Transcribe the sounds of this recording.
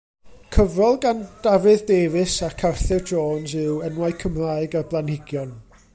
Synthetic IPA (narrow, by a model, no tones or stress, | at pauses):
kʰəvrɔlˠɡand̥avɨðdeːvɨsakʰarθɪrdroːnsɨwənwaɨkʰəmraːɨɡablˠanhɪɡjɔn